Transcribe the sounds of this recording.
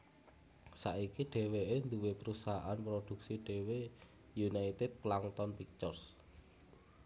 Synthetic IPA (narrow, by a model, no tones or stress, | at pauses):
saikiɖ̥e̤weend̪uwepəɾusaɦaʔanpɾod̪̥ṳk̚siɖ̥e̤we | junait̪ɛd̪̚plaŋt̪ɔnpik̚t̪ɔrs